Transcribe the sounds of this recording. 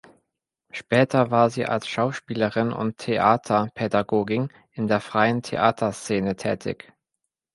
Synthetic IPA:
ʃpɛːtʰɐvaːɐziːʔa̰lsʃaʊʃpiːləʁɪnʔʊ̰ntʰːeʔaːtʰɐpʰedaɡoːɡɪn | ʔɪndeːɐfʁ̥aɪəntʰḛʔaːtʰɐst͡seːnətʰɛ̰ːtʰɪ̰ç

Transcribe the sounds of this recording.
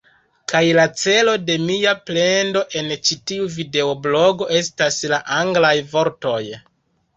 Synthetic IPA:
kajlat͡se̞lo̞de̞miaple̞ndo̞ʔe̞nt͡ʃitiuvide̞oblo̞ɡo̞e̞staslaʔaŋɡlajvo̞ɾto̞j

